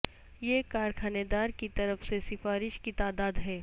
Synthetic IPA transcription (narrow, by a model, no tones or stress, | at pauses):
jekaːɾkʰaːned̪aːɾkit̪ɐɾəfsesɪfaːɾɪʃkit̪aːd̪aːd̪ɦɛː